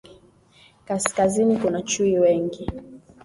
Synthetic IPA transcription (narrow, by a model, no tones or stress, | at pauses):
kaskazinikunat͡ʃuiwɛŋɡi